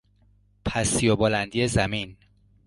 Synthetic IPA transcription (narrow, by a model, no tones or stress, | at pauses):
pʰæsijɒbɔːlænd̪ijezæmin